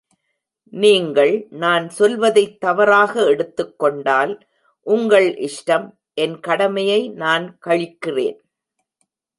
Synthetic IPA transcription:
niːŋɡɐɭnaːnsɔlʋɐðɐɪt̪ːɐʋɐɾaːɣɐɛɽɯt̪ːɯkːɔɳɖaːl | ʔʊŋɡɐɭʔɪʂʈɐm | ʔɛnkɐɽɐmɐjɐɪnaːnkɐɻɪkːɪrḛːn

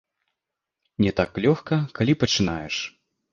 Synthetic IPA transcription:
nʲɛt̪aklʲɔxkɐkalʲipɐt͡ʂɨnajɛʂ

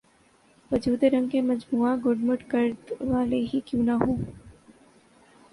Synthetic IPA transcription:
ʋəd͡ʒuːd̪eɾəŋkeːməd͡ʒmuːaːɡʊɖməʈkəɾt̪ʋaːleɦiːkjũːnaɦũː

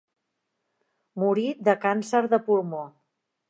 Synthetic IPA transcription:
muɾid̪əkansəɾðəpuɾmo

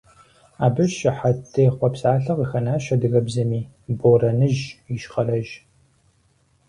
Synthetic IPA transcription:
aːbɨʃɪħatʰːɨχʷɔpsaːɬɐqixɐnaːʃɐdɨɣɐbzɐmiː | borɐnɨʒiʃχɐrɐʒ

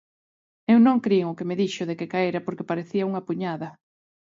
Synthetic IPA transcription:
ewnõŋkɾieŋʊkemeðiʃʊðekekaeɾapoɾkepaɾeθiɐuŋɐpuɲaðɐ

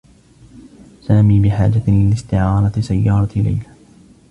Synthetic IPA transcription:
saːmiːbɪħaːd͡ʒaɪlɪst̪ɪʕɑːɾˤɑsajːɑːɾˤɑla̰jla

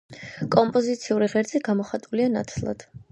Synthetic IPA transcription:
kʼɔmpʼɔzit̪sʰiuɾiʁɛɾd̪ziɡamɔχat̪ʼulianat̪sʰlˠa̰d̪̥

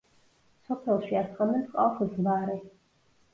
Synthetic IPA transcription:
sɔpʰɛlˠʃiasχanɛmpqʼaχzbaɾɛ

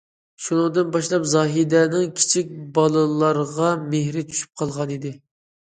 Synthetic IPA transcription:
ʃunɨŋd̪ɨnbɑʃlˠɑpzɑːɦid̪ɛnɪŋkʲʰi̥t͡ʃʰik̚ʲbɑlˠɨlˠɑɾʁɑmehɾɪt͡ʃʰy̥ʃy̥p̚qʰɑlˠʁɑnid̪ɪ

